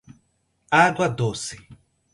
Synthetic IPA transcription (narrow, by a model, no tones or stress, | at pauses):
ad̪wad̪oːsi